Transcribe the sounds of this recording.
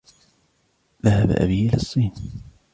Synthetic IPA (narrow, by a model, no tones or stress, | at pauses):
ðahaba̰ʔa̰biːʔɪlasˤːiːn